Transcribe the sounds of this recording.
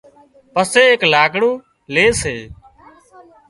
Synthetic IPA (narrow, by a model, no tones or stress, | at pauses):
pəseːeːklaːɡɽõː | leːseː